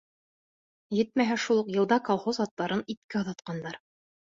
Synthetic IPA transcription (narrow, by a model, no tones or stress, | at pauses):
jɘt̪̚mæɦæʃulˠɤqjɤ̆lˠd̪ɑkolˠχozɑt̪ːɑɾɤnit̪kæŏðɑt̪qɑnd̪ɑɾ